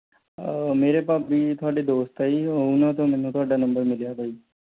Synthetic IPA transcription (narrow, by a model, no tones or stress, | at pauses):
meːɾepabʱiːt̪ʰoaʈid̪oːst̪ʰaiunat̪̬omɛnũt̪ʰoaːɖanəmbəɾmɪljat̪ʰai